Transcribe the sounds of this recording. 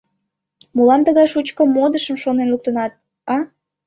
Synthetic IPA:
mulɑnt̪əɣɑjʃut͡ɕkəmod̪əʃəmʃonenluk̚t̪ənɑt̪̚ | ɑ

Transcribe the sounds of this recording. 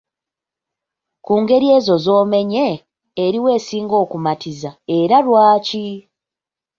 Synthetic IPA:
kuːŋɡe̞ɾie̞ːzo̞zo̞ːme̞ɲeː | ɾiwe̞ːsiːŋɡo̞ːkumatʰizae̞ɾalwaːci

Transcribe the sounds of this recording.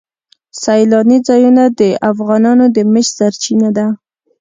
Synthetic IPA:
sajlɑnid͡zɑjunad̪əʔafɣɑnɑnod̪əməʃsaɾt͡ʃinad̪a

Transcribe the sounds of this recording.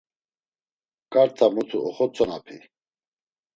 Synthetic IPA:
kʼaɾt̪ʰamut̪ʰuɔχɔt͡sʰʼɔnapʰḭ

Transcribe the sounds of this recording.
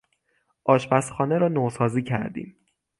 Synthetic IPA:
ʔɒːʃbæsxɒːneɾɒːnosɒːziːcʰæ̰ɾd̪ḭːm

